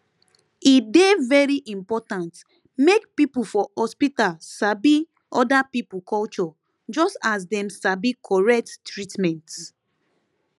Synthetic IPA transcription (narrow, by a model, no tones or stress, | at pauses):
idevɛɹiʔĩmpɔtãnt | mekpipulfɔhɔspitalsabi | ɔdapipukʰɔlt͡ʃɔ | d͡ʒɔstas̬dɛ̃msabikʰɔɹɛk̚tːɹitmɛ̃nt